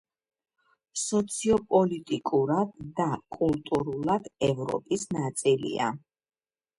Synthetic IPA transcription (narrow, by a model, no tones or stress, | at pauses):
sɔt̪sʰiɔpʼɔlit̪ʼikʼuɾad̪̚ːakʼulˠt̪ʼuɾulˠad̪̥ɛvɾɔ̰pʼisnat̪sʼilḭa̰